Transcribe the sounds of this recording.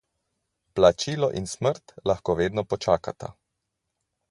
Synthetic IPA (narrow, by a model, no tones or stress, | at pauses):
plat͡ʃiːlɔʔinsməɾt̪laxkoːʋeːd̪nɔpɔt͡ʃaːkat̪ʰa̰